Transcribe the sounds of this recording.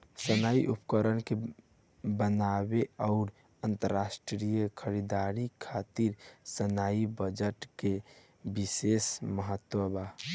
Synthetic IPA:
sənaiʔupkəɾənke | bənabeaʊɾ | ənt̪əɾasʈɾijəkʰəɾid̪aɾikʰat̪iɾsənaibəd͡ʒəʈke | bisesməɦət̪ːwəba

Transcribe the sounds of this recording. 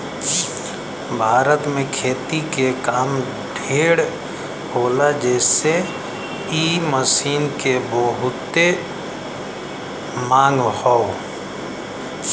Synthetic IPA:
bʱaːɾət̪mẽkʰeːt̪ikekaːm | ɖʱeːɽ | hoːlad͡ʒɛːse | iməsiːnkebəɦʊt̪e | mãːŋɡhɔo

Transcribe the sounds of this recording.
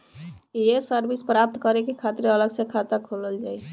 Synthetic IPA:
jesəɾbispɾap̚t̪kəɾekekʰat̪ɾeələɡsẽkʰat̪akʰoləld͡ʒaj

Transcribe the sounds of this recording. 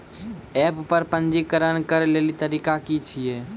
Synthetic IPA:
ɛppəɾpənd͡ʒikəɾənkəɾlelit̪əɾikakit͡ʃʰije

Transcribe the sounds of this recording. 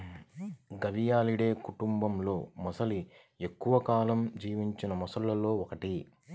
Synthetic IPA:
ɡɐʋijaːliɽe̞ːkuʈumbɐmlo̞ːmɔsɐli | e̞kːuʋɐkaːlɐmd͡ʒiːʋiɲt͡ʃinɐmɔsɐɭːɐlo̞ːɔkɐʈi

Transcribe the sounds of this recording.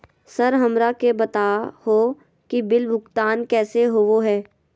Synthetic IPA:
sɐɾɦɐmɾakebɐt̪aːhoː | kibɪlbʱʊkt̪aːnkɛːseɦoʋoɦɛː

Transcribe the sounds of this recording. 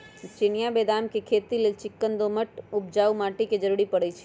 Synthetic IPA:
t͡ʃɪnijabeːd̪aːmkekʰeːt̪ileːlt͡ʃɪkːənd̪oməʈʊpd͡ʒaːumaːʈiked͡ʒəɾuɽipəɽət͡ʃʰɛ̥

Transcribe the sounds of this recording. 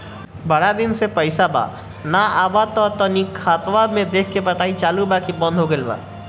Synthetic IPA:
bəɽad̪insepəɪsaba̰ | naabat̪ɔt̪ɔnikʰat̪ʋamed̪ekʰkebəʈait͡ʃalubakibə̃nd̪ʱɦoɡelba̰

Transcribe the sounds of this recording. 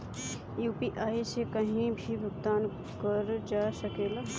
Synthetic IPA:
juːpiʔaːisekəɦĩbʱibʱʊɡt̪aːn | kəɾd͡ʒaːsəkeːlaː

